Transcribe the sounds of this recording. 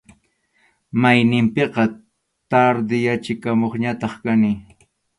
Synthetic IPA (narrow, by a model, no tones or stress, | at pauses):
majnɪmpɪqɑ | t̪aɾd̪ɪjat͡ʃɪkamoχɲat̪ɑχkanɪ